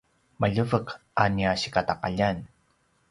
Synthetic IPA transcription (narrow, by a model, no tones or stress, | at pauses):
maʎəvəkaniaɕi̥kataqa̰ʎan